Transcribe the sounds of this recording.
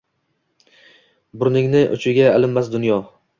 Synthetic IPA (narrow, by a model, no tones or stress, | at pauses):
bʊɾnɪŋnɪʔʊ̰t͡ʃʰɪɡʲaːlɪmːas̬d̪ʊnjɒ